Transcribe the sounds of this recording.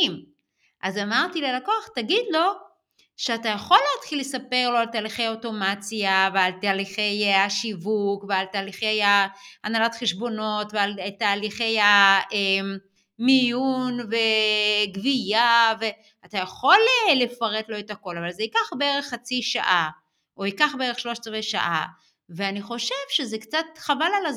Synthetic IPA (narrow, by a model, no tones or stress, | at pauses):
m | ʔazamaʁtilelakoaχt̪aɡid̪lo̞ | ʃeatajaχo̞lːeatχilːesape̞ʁlo̞altaːliχe̞jaoto̞mat͡sijavealt̪aːliχe̞jaʃivukvealt̪aːliχejaanalotχeʃbo̞no̞tvealtaːliχe̞jae | mijunve̞ɡvijave̞ | atajaχo̞lelefaʁetlo̞etako̞lavalzeikaχbeeʁeχːat͡siʃa̰ʔa | ʔoikaχbeeʁeχʃlo̞ʃt͡sveʃa̰ʔa | veaniχo̞ʃevʃezekt͡satχavalala